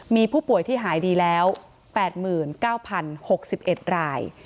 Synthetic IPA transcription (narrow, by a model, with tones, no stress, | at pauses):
miː˧pʰuː˥˩pu˨˩əjt̪ʰiː˥˩ɦaː˩˦jdiː˧lɛː˦˥w | pɛː˨˩t̪̚mɯː˨˩nkaː˥˩wpʰa˧nho˨˩k̚si˨˩p̚ʔe˨˩t̪̚ɾaː˧j